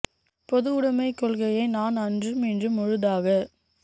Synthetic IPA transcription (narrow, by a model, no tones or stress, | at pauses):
pɔðɯʊɽɐmɐɪkːɔɭɣɐjɐɪnaːnɐndrɯmɛndrɯmːɔɻɯðaːɣɐ